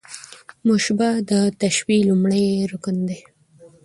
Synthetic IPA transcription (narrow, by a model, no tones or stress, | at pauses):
mʊʃbad̪ət̪aʃwilumɽəjɾukənd̪e